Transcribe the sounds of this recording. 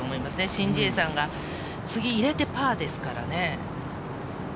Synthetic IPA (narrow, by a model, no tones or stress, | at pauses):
oːmo̞imasɨne̞ɕĩɲd͡ʑiːsãŋɡa | t͡sɨɡʲiːɾe̞t̪e̞paːd̪e̞sɨ̥kaɾa̰ne̞